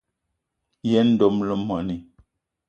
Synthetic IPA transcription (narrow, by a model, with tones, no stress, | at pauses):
jɛ˦n̩˦do˨mlo˦mːɔ˨ni˨